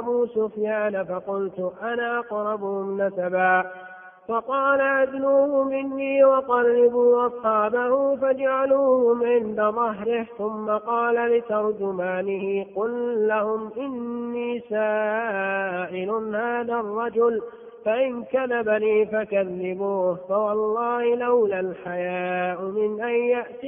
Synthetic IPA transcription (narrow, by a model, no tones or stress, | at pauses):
abuːsʊfjaːnafɑqʊlt̪ʊʔanaːʔɑqɾˤɑbʊhʊmnasabaː | fɑqɑːlaʔad̪nuːhʊmɪnːiːwɑqɑrːɪbuːʔɑsˤħɑːbahʊfad͡ʒaʕaluːhʊmʕɪnd̪aðˤɑɦɾɪhθʊmːaqɑːlalɪt̪ɑɾˤd͡ʒʊmaːnɪhɪqʊlːahʊmʔɪnːiːsaː | ʔɪlʊnhaːðarˤːɑd͡ʒʊl | faʔɪnkaðabaniːfakaðːɪbuːhfawɑlˤːɑːhɪlawlalħajaːʔʊmɪnʔajjaʔt̪i